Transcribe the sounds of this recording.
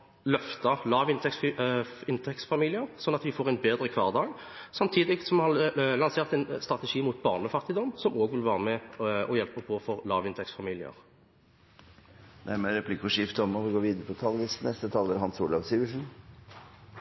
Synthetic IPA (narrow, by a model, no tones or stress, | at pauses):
lœft̪əʁlɑːʋɪnt̪ɛksɪnt̪ʰɛksfɑmiːlɪəʁsɔnːɑt̪ʋɪfoːʁɛɪnbeːd̪ʁəkʰʋɑːʁd̪ɑːɡ | sɑmt̪ʰiːd̪ɪɡsɔmhɑʁlɑnseːʁt̪ɛɪnst̪ʁɑt̪ɛʂiːmuːt̪bɑːʁnəfɑʁt̪ɪd̪ɔmːsɔmoːɡʋɪlʋæːʁəmɛɔjɛlpəpʰɔfɔʁlɑ̰ːʋɪnt̪ʰɛksfɑmiːlɪə̰ʁ | næɾməɾɛpʰlɪkɔʂɪft̪ɔmɔʋɪɡoːʋiːd̪əɾəpɔt̪ʰɑlɡɪsnɛst̪ət̪ʰɑːləɾhɑnsuːlɑʋsɪʋəʂn̩